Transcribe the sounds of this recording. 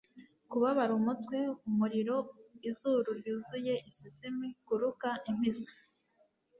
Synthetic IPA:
kuβaβaɾumutkwe̞umuɾiɾo̞izuɾuɾjuːzuje̞ʔisisemikuɾukaʔim̥izki̥

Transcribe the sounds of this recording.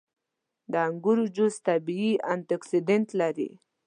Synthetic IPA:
d̪əaŋɡuɾud͡ʒʊst̪abiiant̪aksid̪ent̪laɾḭ

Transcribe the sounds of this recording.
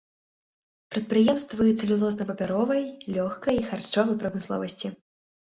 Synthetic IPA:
pɾɐt̪̚pɾɨjɛmst̪vɨjɛsɐlʲilˠɔznɐpɐpʲaɾɔvɐjlʲɔxkɐjixart͡ʂɔvɐjpɾɐwmɨslˠɔ̰vɐsʲt͡sʲi

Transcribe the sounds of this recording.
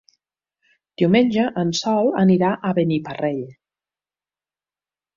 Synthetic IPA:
d̪̥iwmenʲʒəʔənsɔlˠəniɾaʔəβənipəreʎ

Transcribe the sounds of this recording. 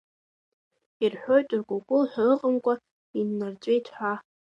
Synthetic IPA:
irħʷᶣo̞jtʼurɡʷokʷʼʊlħʷᶣalɨqʼənkʷʼa | inːart͡ʃʷʼejtʰħʷᶣa

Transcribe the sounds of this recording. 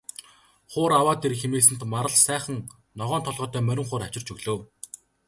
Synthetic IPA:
χʊːɾawaːt̪erxemeːsɘ̆n̥t̪maɾə̆ɮsæːχə̆ŋ | nɔʁœːnt̪ʰɔɮʁɔːt̪œːmœɾʲɪ̆ŋχʊːɾat͡ɕɪ̆r̥t͡ɕɵɣɮɵ̆w

